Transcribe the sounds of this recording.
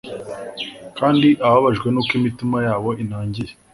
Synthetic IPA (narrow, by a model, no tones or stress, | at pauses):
kaːndiʔaβaβaʒɡwe̞nukimitimajaːβo̞inaːɲɟiɾe